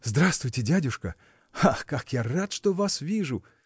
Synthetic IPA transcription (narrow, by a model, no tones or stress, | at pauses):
zd̪ɾast̪vʊjtʲɪdʲædʲʊʂkə | axkakjarat̪ʂt̪ovasvʲiʐʊ